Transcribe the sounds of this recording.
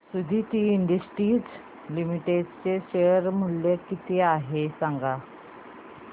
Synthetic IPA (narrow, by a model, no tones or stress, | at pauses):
sud̪ʱiːt̪iːiɳɖəsʈiːd͡z | limiʈeɖt͡seɕejəɾm̤uɭlekit̪iaɦesaŋɡa